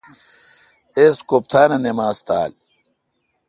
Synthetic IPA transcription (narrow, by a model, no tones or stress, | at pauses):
eskop̚t̪ʰaːnɐnemaːst̪a̰ːl